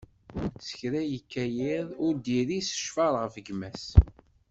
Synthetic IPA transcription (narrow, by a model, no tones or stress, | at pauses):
t͡sːə̥çɾæjəkːæjɪðˤʊɾd̪iɾisə̥ʃfɑɾˤʁəfəɡmæs